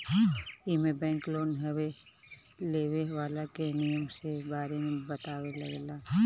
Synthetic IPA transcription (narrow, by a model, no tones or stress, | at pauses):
imẽbɛ̃ːŋkloːnɦɛwe | leːweʋaːlakenijəmsebaːɾemẽbɐt̪aːwelɐɡlaː